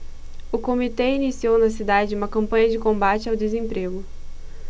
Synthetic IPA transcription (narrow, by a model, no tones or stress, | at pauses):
ʊkomit̪ɛinisiownɐsid̪ad͡ʒɪũmɐkɐ̃mpɐ̃ɲɐd͡ʒɪkõmbat͡ʃɪawd̪ezẽmpɾeɡʊ